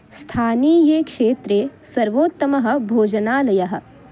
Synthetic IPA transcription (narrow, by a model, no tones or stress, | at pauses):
st̪ʰaːniːjeːkʂeːt̪ɾeːsɐɾʋoːt̪ːɐmɐɦɐ̆bʱoːd͡ʒɐnaːlɐjɐɦɐ̆